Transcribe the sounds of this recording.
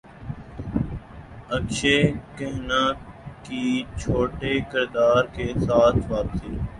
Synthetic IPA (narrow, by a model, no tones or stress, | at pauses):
əkʃeːkəɦnãːkiːt͡ʃʰoːʈeːkɪɾd̪aːɾkeːsaːt̪ʰʋaːpsiː